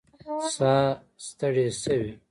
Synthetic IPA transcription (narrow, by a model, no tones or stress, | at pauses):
saː | st̪əɽesəwi